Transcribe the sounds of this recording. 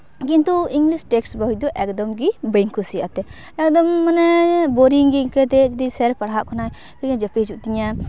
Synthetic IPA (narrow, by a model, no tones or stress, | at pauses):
kint̪uiŋɡlisʈɛksbəɦid̪ɔʔɛkd̪ɔmɡibəŋkusija̰t̪ɛ | ɛk̚d̪ɔmːanɛboɾiŋɡiŋkət̪ɛd͡ʒɐd̪isɛɾpaɽɦaʔkʰɔnaj | kəɲãd͡ʒəpid͡ʒuʔt̪iɲa